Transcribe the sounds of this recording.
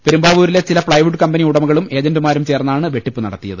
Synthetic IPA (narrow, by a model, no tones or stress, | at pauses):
peɾumbaːʋuːɾile̞t͡ɕilɐprɐjʋiʈːɨkɐmbɐniuɽɐmuɣɐɭume̞ːd͡ʑɐndɨmaːɾumt͡ɕe̞ːrnɐaːɳɨʋe̞ʈːipːɨnɐ̰ɽɐt̪ːijɐ̰ðɨ